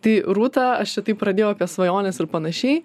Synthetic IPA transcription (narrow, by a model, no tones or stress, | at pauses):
t̪ɐɪɾuːt̪ɐɐʃt͡ʃʲɛt̪ɐɪp̚pɾɐdʲeːjoʊɐpʲiɛsʋɐjoːnʲɛsɪrpɐnɐʃʲɛɪ